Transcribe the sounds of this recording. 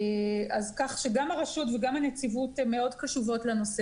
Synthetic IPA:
azkaχʃeɡamaʁaʃutveɡamanet͡sivutme̞o̞dkaʃuvo̞tlano̞se

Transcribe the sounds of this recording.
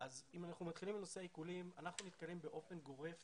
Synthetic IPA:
ʔazimanaχnumat̪χilimbeno̞seaikulimanaχnunit̪kaje̞mbe̞ʔo̞fe̞nɡo̞ʁe̞f

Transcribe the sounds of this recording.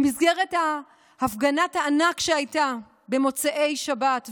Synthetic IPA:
mizɡe̞ʁethaː | fɡanathaːnakʃeajta | be̞mo̞t͡seʔe̞jʃabat

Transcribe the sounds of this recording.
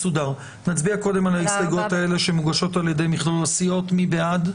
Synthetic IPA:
sudaʁ | nat͡sbiako̞de̞malaisaɡo̞t̪ae̞le̞ʃemuɡaʃo̞taljede̞jmiχlolasio̞t̪mibead

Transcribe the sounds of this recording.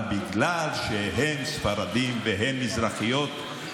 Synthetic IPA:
biɡlalʃeɦemsfaɾad̪imveɦemːizɾaχijo̞t̪

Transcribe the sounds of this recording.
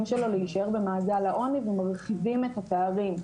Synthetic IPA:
mʃe̞lo̞leiʃaeʁbemaːzalaʔo̞nivemaʁχivime̞t̪hat̪eaʁim

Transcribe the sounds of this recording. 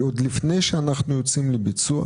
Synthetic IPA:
od̪lifne̞jʃeanaχnujo̞t͡simlebit͡sua̰

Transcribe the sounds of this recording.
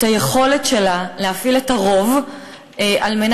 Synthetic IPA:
taje̞χo̞le̞tʃe̞lalehafiletaʁo̞v | eʔalmen

